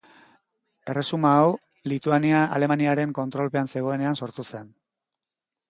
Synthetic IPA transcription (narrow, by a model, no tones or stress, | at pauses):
e̞re̞sumaːw | lit̪uaniaa̰le̞maniaɾe̞ŋko̞nt̪ɾo̞lpe̞anse̞ɣ̞o̞e̞ne̞anso̞ɾt̪use̞n